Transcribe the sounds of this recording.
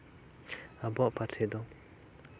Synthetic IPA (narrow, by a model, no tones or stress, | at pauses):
abɔʔpat͡sʰed̪ɔŋ